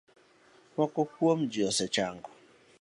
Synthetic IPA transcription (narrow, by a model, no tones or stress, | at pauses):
mʷɔkɔhwomd͡ʒiɔsɛt͡ʃaŋɡɔ̥